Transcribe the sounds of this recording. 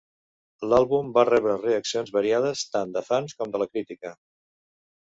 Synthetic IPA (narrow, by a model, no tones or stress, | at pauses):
lalˠβumbarɛβ̞ɾəreəksionzβəɾiað̞əst̪and̪əfanskɔmd̪ələkɾit̪ikə